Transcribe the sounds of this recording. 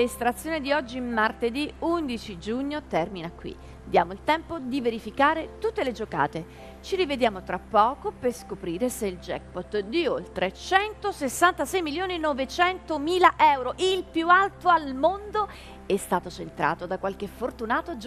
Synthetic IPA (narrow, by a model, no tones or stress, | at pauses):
lest̪ɾat̪sːjoːnid̪iɔd͡ʒːimart̪ed̪iund̪it͡ʃid͡ʒuɲːot̪ɛrminakːwḭ | d̪jaːmoilt̪ɛmpod̪iveɾifikaːɾet̪ut̪ːeled͡ʒoka̰ːt̪e | t͡ʃiɾived̪jaːmot̪ɾapːɔːkoperskopɾiːɾeseild͡ʒɛ̰k̚pɔt̪d̪iolt̪ɾet͡ʃɛnt̪osesːant̪asɛjmiljoːninɔvet͡ʃɛnt̪omiːlaʔɛwɾoʔilpjualt̪oalmond̪o | ɛst̪aːt̪ot͡ʃent̪ɾa̰ːt̪od̪akwalk̟efort̪unaːt̪od͡ʒ